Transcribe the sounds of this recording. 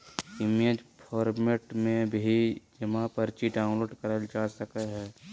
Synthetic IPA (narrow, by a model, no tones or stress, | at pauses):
ɪmed͡ʒpʰɔːɾmeʈmẽbʱid͡ʒəmãpəɾt͡ʃiɖaʊ̃nloːɖkəɾəld͡ʒaːsəkəɦɛː